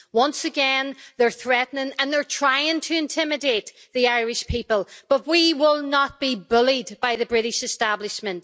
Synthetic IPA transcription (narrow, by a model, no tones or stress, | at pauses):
wʌ̃nsɨɡɛ̃nðə˞θɹɛʔn̩ɪ̃ŋə̃nðə˞tʰɹ̥aɪɪ̃ŋtʰɨɪ̃ntʰɪ̃mɨdet̪ | ðiaɪɹɪʃpʰipəlˠb̥ʌt̚wiwɪlˠnət̚b̥ibʊlˠidbaɪðɨbɹɪɾɪʃɨstablɪʃmə̃nt